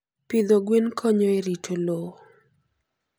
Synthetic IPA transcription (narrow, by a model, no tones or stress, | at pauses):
pɪd̪oɡwinkʰoɲoeɾitolo